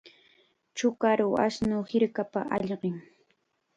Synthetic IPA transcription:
t͡ʃʊkaɾʊa̰snʊhɪɾkapaʔɑʎɢɪŋ

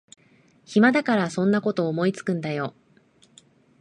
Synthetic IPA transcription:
çimad̪akaɾasõ̞nːako̞t̪o̞ːmo̞it͡sɨ̥kɯ̟̃nd̪ajo̞

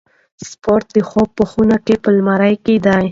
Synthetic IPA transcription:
spoɾt̪̚d̪əxob̚pəxunakepəlmaɾajked̪aj

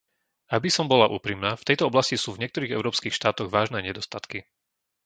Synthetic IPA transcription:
abisɔmbɔlaʔṵːpɾimnaːft̪ɛjt̪ɔɔblascisuːvɲɪɛk̚t̪ɔɾiːɣɛ̰ʊɾɔːpskiːxʃt̪aːt̪ɔɣʋaːʒnɛːɲɛd̪ɔst̪at̪ki

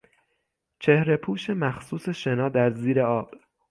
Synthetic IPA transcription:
t͡ʃʰe̞hɾe̞pʰuːʃe̞mæxsuːse̞ʃe̞nɒːd̪æɾziːɾe̞ɒːb̥

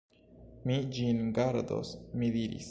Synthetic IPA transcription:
mid͡ʒinɡaɾd̪o̰smid̪iɾḭs

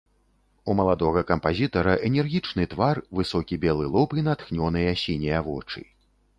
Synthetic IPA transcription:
umɐlˠad̪ɔɣɐkɐmpazʲit̪ɐɾɐʔɛnʲɛrɣʲit͡ʂnɨt̪varvɨsɔkʲibʲɛlˠɨlˠɔpinat̪xnʲɔnɨjɐsʲinʲɛjɐvɔt͡ʂɨ̰

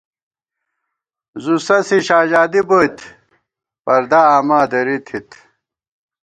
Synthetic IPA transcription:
zusɐsiɕaːʑaːd̪iboit̪ʰ | pɐɾd̪aaːmaːd̪ɐɾit̪ʰit̪ʰ

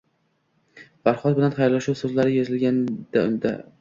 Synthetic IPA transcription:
faɾχɒt̪̚bɪlanχajɾlaʃuwsɵzlaɾɪjezɪlɡʲand̪̥aʊnd̪a̰

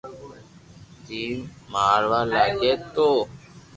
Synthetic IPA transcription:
d̪iːmaːɾʋaːlaːɡeːt̪oː

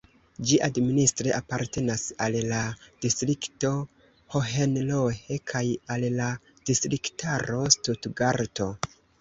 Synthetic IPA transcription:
d͡ʒiʔadministɾeʔapaɾte̞nasallad̥istɾikto̞ | hoɦenlohekʰajalla | d̥istɾiktʰaɾo̞stutɡaɾto̞

